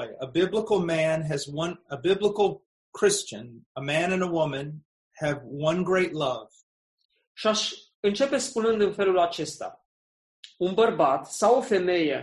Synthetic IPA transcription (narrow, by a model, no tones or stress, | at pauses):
ɪəbɪbləkl̩ˠmæ̃nɨzwʌ̃nəbɪbləkl̩ˠ | kʰɹ̥ɪst͡ʃɨ̃nəmæ̃nɨ̃nəwʊmɨ̃n | ɨvwʌ̃nɡɹeɪtˡlʌv̥ | ʃiaʃ | ɨnt͡ʃe̞pe̞spunɨnd̪ɨnfe̞lulat͡ʃe̞st̪a̰ | unbərbat̪sawo̞fe̞me̞jḛ